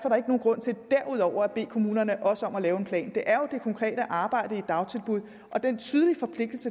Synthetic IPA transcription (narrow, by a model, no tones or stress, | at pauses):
fɒɾ̥ɑ̈e̝ɡ̥no̝ːn̩ɡ̥ʁɔ̽n̰t͡sʰe̝ld̥æɐuð̞ˠɒʊ̰ɐæb̥e̝̰ːkʰo̝muːnɐnəʔɒ̽səɒ̽mælɛːʊe̝npʰlɛ̰ːnd̥e̝ʔæɐjo̝d̥e̝kʰɒ̽ŋkʰʁɛ̰ːɾ̥əʔɑ̈ːb̥ɑ̈ɪ̰ɾ̥əid̥ɑ̈ʊt͡sʰe̝lb̥uð̞̰ˠ | ʔɒ̽d̥ent͡sʰyːð̞ˠlifɒ̽pʰle̝ɡ̥d̥l̩sə